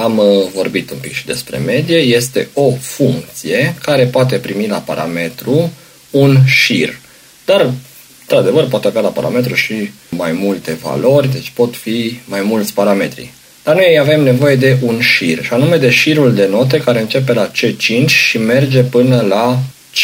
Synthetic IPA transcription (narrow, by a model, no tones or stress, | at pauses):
amvo̞rbit̪umpikʃid̪e̞̰spɾe̞̰me̞d̪ije̞je̞st̪e̞̰o̞fuŋk̚t̪sije̞kaɾe̞poat̪̬e̞pɾimila̰paɾʔa̰me̞t̪ɾu | unʃir | d̪̥ar | ɨnt̪ɾad̪e̞vərp̬oat̪eavʲalapa̰ɾa̰me̞t̪ɾuʃi | majmult̪e̞va̰lo̞rʲd̪e̞t͡ʃʲpo̞t̪fimajmult̪sʲpaɾame̞t̪ɾḭ | d̪̥arnujejave̞mne̞vo̞je̞d̪e̞ʔunʃirʃianume̞d̪e̞ʃiɾuld̪e̞no̞t̪̬e̞kaɾe̞ɨnt͡ʃe̞p̬e̞lat͡ʃet͡ʃint͡ʃʲʃime̞rd͡ʒe̞pɨnəla | t͡ʃ